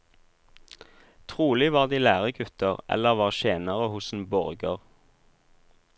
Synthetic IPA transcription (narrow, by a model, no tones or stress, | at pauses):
t̪ʰʁuːlɪʋɑːʁd̪iːlæːʁəɡʉt̪əʁɛ̰ləʁʋɑːʁʃeːnəʁəhʊsn̩bɔʁɡəʁ